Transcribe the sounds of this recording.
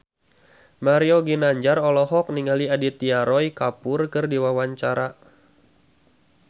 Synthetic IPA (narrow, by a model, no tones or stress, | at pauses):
maɾioɡinaɲd͡ʒarɔlɔɦɔk̚niŋaliadit̪iaɾɔjkapʊrkɨrdiwawaɲt͡ʃaɾa